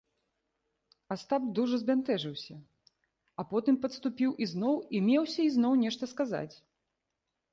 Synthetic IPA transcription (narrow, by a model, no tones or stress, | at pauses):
ast̪ab̚d̪uʐɐzbʲant̪ɛʐɨwsʲɐ | ɐpɔt̪ɨmpɐt̪st̪upʲiwʔiznɔwimʲɛwsʲɐiznɔwnʲɛʂt̪ɐskaza̰t͡sʲ